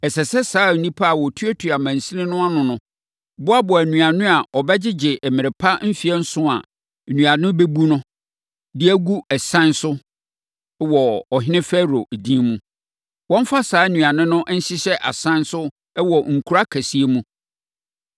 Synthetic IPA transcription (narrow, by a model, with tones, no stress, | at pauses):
ɛ˨sɛ˨sɛ˦saː˨˦˨n̩˨nĩ˦pʰa˦a˨wɔ˨tʰɥo˦tʰu˨a˨mæ̃˨n̩˨sĩ˦nɪ̃˦nʊ̃˦a˦nʊ̃˨nʊ̃˦ | bʊ˦a˦bɔ˨æ˨nũ˨a˨nʊ̃˦a˨ʔɔ˨bɛ˦d͡ʑɪ˦d͡ʑɪ˨ʔɛ˨mɪ̃˨ɪ˨pʰa˦m̩˦fi˦ɛ˦n̩˦sʊ̃˦a̰˨ | nũ˨a˨nʊ̃˦be˦bu˦nʊ̃˦ | dɪ˦æ˦ɡu˦ɛ˨sã˦nsʊ˦ | wɔ˨ɔ˨ɦɪ̃˦nɪ̃˦fɛ˦ɾo˨æ˨dĩ˦mũ˦ | wɔ̃˦m˦fa˦saː˨˦nũ˨a˨nʊ̃˦nʊ̃˦ʔn̩˦ɕɪ˦ɕɛ˦ʔa̰˨sã˦nsʊ˦ | wɔ˨ŋ̩˨kʰu˨ɾa˦kʰæ˨si˨˦e˦mũ˦